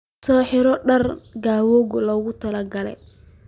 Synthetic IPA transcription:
sɔːħɪɾɔɖɐrɡaːwɔːɣɔlɔːɣʊt̪ʰɐlɐɡɐlɛ̰j

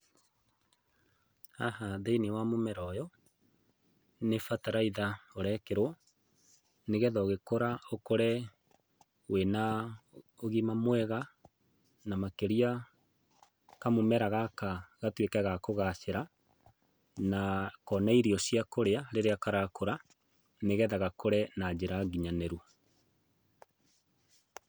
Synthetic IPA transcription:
ahaðeinewamomɛɾɔjɔ | nefataɾaiðaoɾɛkeɾo | neɣɛðɔɣekoɾaokoɾɛ | wena | oɣimamwɛɣa | namakeɾia | kamomɛɾaɣakaɣatwekɛɣakoɣaʃeɾa | nakɔnaiɾiɔsiakoɾeaɾeɾeakaɾakoɾa | neɣɛðaɣakoɾɛnad͡ʑeɾaɡiɲanɛɾua

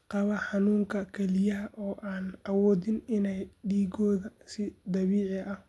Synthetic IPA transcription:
qɑβɐħɑnuːŋkʰɐkʰɛlɪjɐɦʔɔːʔaːnʔɐwɔːðɪnɪnɛjɖiːɡɔːðɐsɪd̪ɐβiːʕɪɐh

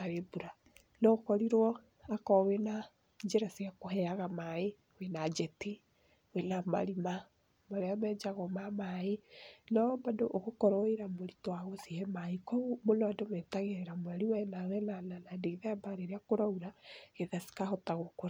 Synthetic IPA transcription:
aɾebuɾa | nɔokɔɾiɾwɔ | akɔwena | ɲd͡ʒeɾasiakoɦɛaɣamae | wenad͡ʒɛti | wenama̰ɾima | maɾeamɛd͡ʒaɣɔmamaenɔmbadoʔoɣokɔɾɔeɾamoɾitwaɣɔsihɛmaikɔmoloadomɛtaɣeeɾamoaɾiwɛɛnawɛnananadeiðaabaɾeɾeakoɾauɾaeðasi̥kahɔtaɣokoɾa

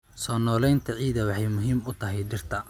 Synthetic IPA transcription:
sɔːnɔːlɛjnt̪ʰɐʕiːðɐwɑħɑjmʊɦiːmʊt̪ʰɐɦɛjɖɪrt̪ʰɐ

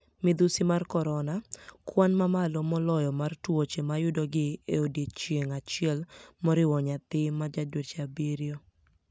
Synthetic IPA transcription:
mɪd̪usimarkɔɾɔnakwanmamalɔmɔlɔjɔmartwot͡ʃemajʊdɔɡɪeodit͡ʃjeŋat͡ʃɪɛlmɔɾɪwɔɲat̪ɪmad͡ʒadwot͡ʃabiɾjo

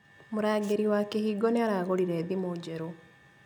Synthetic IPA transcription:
muɾaːɡeɾiwakehiɡoneaɾaːɣoliɾeːðimoɟeɾo

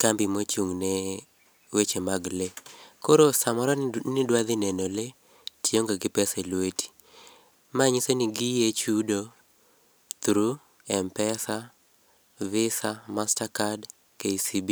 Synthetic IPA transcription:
kambimot͡ʃuŋne | wet͡ʃemaɡlekoɾosamɔɾɔnɪdwad̪ɪnɛnole | tjoŋɡaɡɪpɛsɛlwetʰi̥ | maɲisoniɡijet͡ʃudo | t̪ɾu | ɛmpɛsa | vɪsamastakad | keisibi

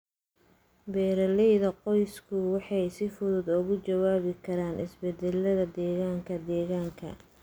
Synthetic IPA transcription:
bɛːɾɐlɛjðɐqɔjskʰʊwɑħɑjsɪfʊðʊd̪ʊɣʊt͡ʃɐwaːβɪkʰɐɾaːnʔɪsbɛd̪ɛlːɐðɐd̪ɛːɣaːŋkʰɐd̪ɛːɣaːŋkʰɐ̰

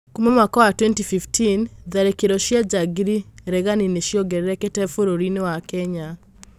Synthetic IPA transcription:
kumemwakawatwɛntififtinðaɾekeɾɔʃjad͡ʒaɡiɾiɾɛɣanineʃjɔɡɛɾeɾɛkɛtɛfoɾoɾinewakɛɲa

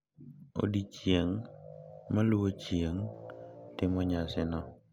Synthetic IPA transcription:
o̰dit͡ʃjeŋ | maluot͡ʃjeŋ | tɪmɔɲasɪnɔ

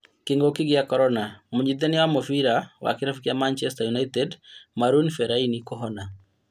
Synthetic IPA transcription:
kɪŋɡokɪɡɪjakɔɾɔnamuɲid̪ɛnɪwamɔfiɾawa̰kɪɾafikijamant͡ʃɛstajunaitɛdmaɾunfɛɾainikɔɦɔna

